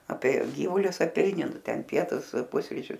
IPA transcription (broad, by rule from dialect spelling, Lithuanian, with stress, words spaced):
ˈɑːpʲiɛ ˈɡʲiːʋʊlʲʊs ɐˈpʲɛɪnʲɪ ˈnʊ ˈtʲɛn ˈpʲiɛtʊs ˈpʊsʲrʲɪt͡ʃʲʊs